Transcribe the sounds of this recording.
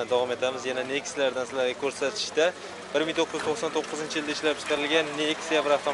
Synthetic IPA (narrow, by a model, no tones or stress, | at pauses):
d̪avɒme̞t̪ʰamɪzjananekʲslaɾd̪ansɪlaɾɡʲakʲʰɵɾsat̪ʰɪ̥ʃt̪a | bɪɾmɪŋt̪ʰoqːɨz̥t̪ʰoqsant̪ʰoqːɨzɪnt͡ʃʰɪijɪld̪aɪʃlap̚t͡ʃʰɪ̥t̪aɾɪlɡʲanːeːkʲsijabɾaft̪o